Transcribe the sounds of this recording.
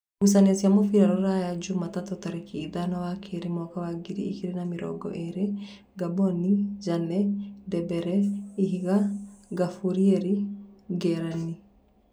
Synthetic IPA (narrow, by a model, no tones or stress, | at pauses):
ɡus̬aneasiamofiɾaɾɔɾajad͡ʒumatatotaɾekiːðanawakʰeɾemɔkawaɡiɾḭikiɾenamiɾɔ̰ɡɔ̰ʔeɾe | ɡabɔnid͡ʒanɛdɛbɛɾɛiɦiɣaɡafuɾieɾiɡɛɾani